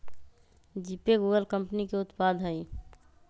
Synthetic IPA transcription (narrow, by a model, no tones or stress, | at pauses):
d͡ʒipeɡuːɡəlkəmpnikeʊt̪paːd̪ʱɦəi